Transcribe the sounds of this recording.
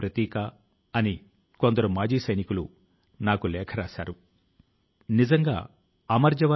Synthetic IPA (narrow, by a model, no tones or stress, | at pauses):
pɾɐt̪iːkɐ | ɐni | ko̞nd̪ɐɾumaːd͡ʒiːsɐjnikulu | naːkulɛːkʰɐɾaːʃa̰ːɾu | nizɐŋɡa̰ː | ɐmɐɾd͡ʒɐʋɐ